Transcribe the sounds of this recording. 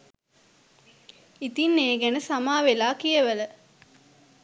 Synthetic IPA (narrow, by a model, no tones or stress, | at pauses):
it̪inːeːɡænəsamaːʋelaːkijəʋələ